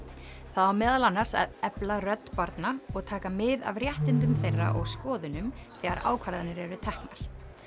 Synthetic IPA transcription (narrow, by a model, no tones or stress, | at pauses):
θaðawmɛːðalanːar̥sa̰ðɛplarœt̪ːpaɾt̪naɔɣt̪ʰaːkamɪða̰vrjɛht̪ɪnt̪ʏmθejrːa̰ʔɔɣskɔːðʏnʏmθɛɣaɾa̰ːwkʰvaɾðanɪɾɛɾʏt̪ʰɛhkna̰ɾ̥